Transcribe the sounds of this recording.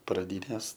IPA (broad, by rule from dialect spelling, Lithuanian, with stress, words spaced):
prɐˈdʲiːnʲeːs